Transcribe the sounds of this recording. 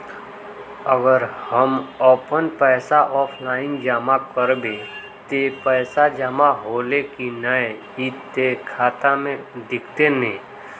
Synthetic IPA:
əɡəɾhəmɔpənpɛːsaʔɔːpʰlaːɪnd͡ʒamakəɾbẽ | t̪epɛːsad͡ʒamaɦoːlekinəeɦit̪ekʰaːt̪amẽd̪ɪkʰt̪enẽ

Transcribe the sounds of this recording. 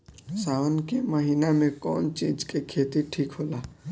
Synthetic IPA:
saːnkeməɦiːnamẽkɔ̰ːnt͡ʃiːd͡ʒkekʰeːt̪iʈʰiːkɦoːlaː

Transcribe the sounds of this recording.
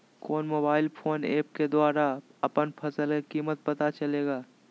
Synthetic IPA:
koːnmoːbaːɪlpʰoːnḛːp̚ked̪waːɾaɐpənpʰɐsəlkekiːmət̪̚pɐt̪at͡ʃɐleːɡaː

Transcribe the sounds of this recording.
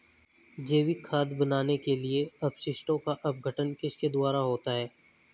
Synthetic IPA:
d͡ʒeːʋikʰaːd̪bənaːnekelieɐbʃɪʃʈõkaʔɐp̚ɡʱəʈənkɪʃked̪ʊaːɾaɦoːt̪aɦɛː

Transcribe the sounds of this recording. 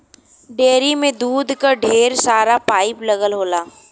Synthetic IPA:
ɖeːɾimẽd̪uːd̪ʱkaɖʱeːɾsaːɾapaːɪplɐɡəlɦoːlaː

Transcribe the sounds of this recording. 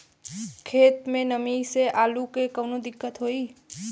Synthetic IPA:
kʰet̪menəmiseʔalukekənod̪ikːət̪ɦoi

